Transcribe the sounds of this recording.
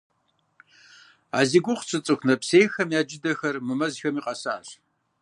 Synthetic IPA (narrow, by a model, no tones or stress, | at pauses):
a̰ːziɡʷʊχʷt͡sʰʼɨt͡sʼɨxʷʰnɐpseːjxɐmjaːd͡ʒɪdɐxɐrmɨmɐzxɐmiːqʼɐsa̰ːɕ